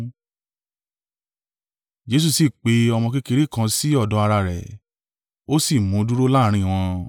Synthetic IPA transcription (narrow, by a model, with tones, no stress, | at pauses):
d͡ʒe˦s̬u˦˧˨si˨k͡pe˨˦ɔ˧mɔ̃˧ki˦ke˧ɾi˦˨kã˧si˦ɔ˦˨dɔ˨˧˦a˧ɾa˧ɾɛ̰˨ | o˦si˦˨mũ˨˦du˦ɾo˦laː˦˨ɾ̃ĩ˦˨w̃ɔ̃˧